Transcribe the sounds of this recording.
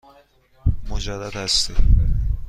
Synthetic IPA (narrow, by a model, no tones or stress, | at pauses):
mʊd͡ʒad̪ːad̪hast̪ɪ